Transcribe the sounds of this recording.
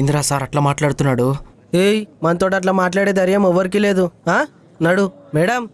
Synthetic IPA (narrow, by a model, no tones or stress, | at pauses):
ind̪ɾaːsaːɾɐʈlaːmaːʈlaːɽut̪unːaːɽu | eːjmɐnt̪oːʈɐʈ̬laːmaːʈ̬laːɽeːd̪ɐɾjɐmɔʋːɐɾik̬iːleːd̪uɦaː | nɐɽumɛːɽɐm